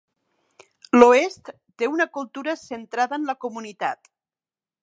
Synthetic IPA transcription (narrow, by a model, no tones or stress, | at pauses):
loest̪ːeunəkulˠt̪uɾəsənt̪ɾaðəːnləkumunit̪at̪